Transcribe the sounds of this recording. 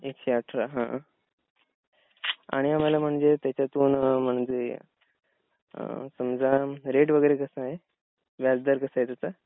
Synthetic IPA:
ekɕeaʈʰɾaɦã | a̰ɽ̃iam̤alam̤əɳd͡zet̪jat͡ɕjat̪uːnəm̤əɳd͡ʑe | səmd͡zamɾeʈʋəɡəjɾekəsaɦe | ʋjad͡zd̪aɾkəsaɦet̪at̪a

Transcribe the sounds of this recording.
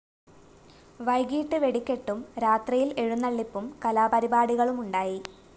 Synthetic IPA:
ʋɐjɡiːʈːɨʋe̞ɽikʲːe̞ʈːumɾaːt̪rɐjile̞ɻunːɐɭːipːumkɐlaːpɐɾibaːɽiɣɐɭumuɳɖaːji

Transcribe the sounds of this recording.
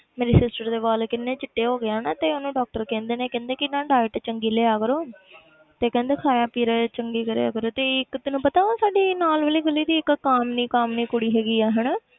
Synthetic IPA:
meːɾeːsɪsʈəɾd̪eːʋaːlkɪnːẽːt͡ʃɪʈːeːɦoːɡɪaːnaːt̪eːonũːɖɔːk̚ʈəɾkɛ̃ːnd̪eːnẽːkɛ̃ːnd̪eːkɪnãːɖaːɪʈt͡ʃəŋɡiːleːaːkəɾoː | t̪eːkɛ̃ːnd̪eːkʰaːjaːpiːɾet͡ʃəŋɡiːkəɾḛːa̰ːkəɾoːt̪eːɪkt̪ənũːpət̪aːãːsaːɖiːnaːlʋəliːɡəliːd̪iːɪkːaːmnĩːkaːmnĩːkʊɽiːɦɛːɡiːɛːɦəɳ

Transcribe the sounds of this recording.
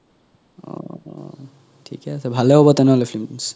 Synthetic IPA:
ɔ̰ | tʰḭkɛasɛbʱalɛɦɔbɔt̪ɛnɛɦɔlɛpʰlims

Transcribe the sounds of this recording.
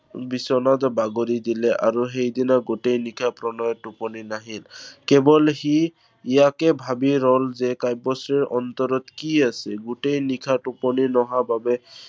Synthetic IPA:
bisɔnad̪ɔbaɡoɾid̪ilɛʔa̰ɹuɦejd̪inaɡutejnikʰapɹɔnɔjɔtupɔninaɦilkɛbɔlhi | ijakɛbʱabiɹɔlzɛkajbɔsɹiɹʔɔnt̪ɔɹɔt̪kiasɛɡutejnikʰatupɔninɔɦababɛ

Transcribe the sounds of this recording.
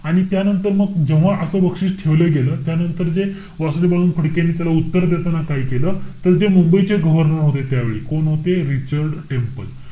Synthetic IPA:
aɽ̃it̪janənt̪əɾməɡd͡ʑeʋ̤aʔəsəːbəkʂiːɕʈʰeʋleɡeləːt̪janənt̪əɾd͡ze | ʋaslebaɭ̃uːnfʰəɽkenːit̪jalaut̪ːəɾd̪et̪anakaikeləːt̪əɾd͡zemumbəjt͡seɡəʋəɾnəɾɦot̪et̪jaʋḛɭḭːkonɦot̪eɾit͡ɕəɾɖʈempəl

